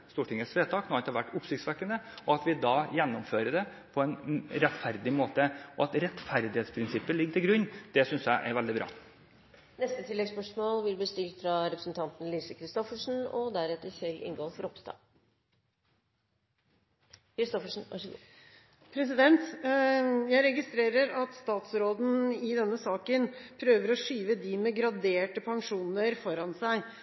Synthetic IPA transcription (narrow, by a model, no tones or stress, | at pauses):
st̪uːʈʰɪŋəsʋeːt̪ʰɑːknoɑnt̪əhɑʋæʈːʊpsɪçkt̪sʋækːənd̪əɔɑt̪ʋɪd̪ɑjɛnːɔmføːɾəɖ̪ɛ | pʰɔɛnɾɛt̪fæɾd̪ɪmoːt̪əʔɔɑt̪ɾɛt̪fæɾd̪ɪheːt̪spʰɾɪnsɪpːəlɪɡːəʈ̪ʰɪlɡɾʉnːd̪̥ɛsʏnsjæɪʔɛ̰ɾʋɛld̪ɪbɾɑ̰ː | nɛst̪ət̪ʰɪlːɛɡspœʂmoːlb̪ɪlbliːst̪ɪlt̪fɾɑɾɛpɾə̥sn̩t̪ʰɑnt̪n̩liːsəkʰɾɪst̪ɔfəʂn̩ɔ̰d̪æɾɛt̪ːəɾsɛlɪ̰ŋɡoːfɔɾɔpst̪ɑ̰ː | kʰɾɪst̪ɔfəʂn̩ɑ̰ʂɡ̰ | pʰɾɛsɪd̪ɛnt̪ | jæɪɾɛɡɪst̪ɾeːɾəɾɑt̪st̪ɑːt̪sɾoːd̪n̩ɪd̪ɛnːəsɑːkənpʰɾøːʋəɾɔʂyːʋəd̪iːmɛɡɾɑd̪eːʈəpʰɑŋʂuːnəɾfɔɾɑnsæɪ